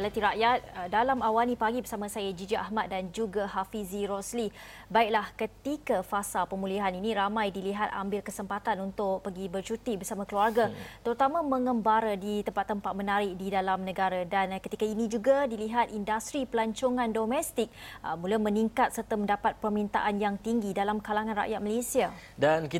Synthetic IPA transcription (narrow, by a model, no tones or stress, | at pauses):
əlat̪iɾaʔjat̪̚dalamawanipaɡibərsamasajad͡ʒid͡ʒiʔa̰ɦmat̪̚dand͡ʒuɡaɦafiziɾɔsli | baɪk̚lahkət̪ikafasalpəmuliɦaninĩɾamãjdiliɦat̪a̰mbɪlkəsəmpat̪anunt̪ʊk̚pəɡibərt͡ʃut̪ibərsamãkəluarɡat̪əɾut̪amãməŋəmbaɾadit̪əmpat̪ːəmpat̪̚mənaɾɪk̚didalamnəɡaɾadankət̪ikainĩd͡ʒuɡadiliɦat̪̚indast̪ɾipəlaɲt͡ʃoŋãndomɛst̪ɪk̚mulaməniŋkat̪̚sərt̪əməndapat̪̚pərmint̪a̰ʔanjaŋt̪iŋɡidalamkalaŋanra̰ʔjat̪̚məlesiadanki